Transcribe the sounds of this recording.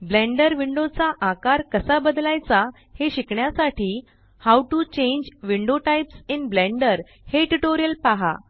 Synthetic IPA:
blẽɳɖəɾʋiɳɖot͡saʔakaɾkəsabəd̪lajt͡sa | heɕikɳjasaʈiː | hawʈut͡ɕẽɲd͡ʑʋiɳɖoʈajpsinblɛ̃ɳɖəɾ | heʈuʈoɾijəlpaɦa̰

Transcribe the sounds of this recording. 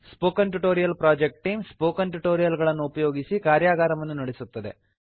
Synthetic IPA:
spoːkɐnʈuʈo̞ːɾijɐlpɾaːd͡ʒek̚ʈ̚ʈiːmspoːkɐnʈuʈoːɾijɐlɡɐɭɐnːuupɐjo̞ːɡisikaːɾjaːɡaːɾɐʋɐnːunɐɽesut̪ːɐd̪e̞̰

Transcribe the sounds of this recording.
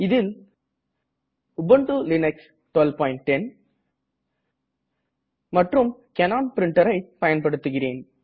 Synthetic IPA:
ɪðɪl | ʊbɐɳʈɯlɪnɛks | ʈʋɛlpaːjɪɳʈ̚ːɛn | mɐʈrɯmkɛnaːnpɪɾɪɳʈɐɾɐɪpɐjɐnpɐɽɯt̪ːɯɣɪreːn

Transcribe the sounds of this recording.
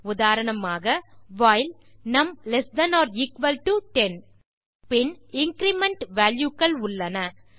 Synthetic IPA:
ʊðaːɾɐɳɐmaːɣɐʋaːɪl | nɐmlɛsd̪ɐnɔːɾikʋɐlʈuʈɛn | pɪnɪŋkɾɪmɛɳʈʋaːljukːɐɭʊɭːɐnɐ

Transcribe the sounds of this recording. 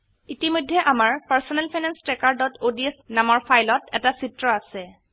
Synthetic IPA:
itimojdʱːɛʔamaɹpaɹsɔnɛlpʰajnanstɹɛkaɹdɔtodiɛsnamɔɹpʰajlɔtɛ̰tasitɹɔasɛ

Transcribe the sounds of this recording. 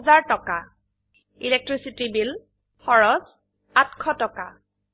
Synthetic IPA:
zaɹtɔka | ilek̚tɹisitibil | xɔɹɔz | atkʰɔtɔka

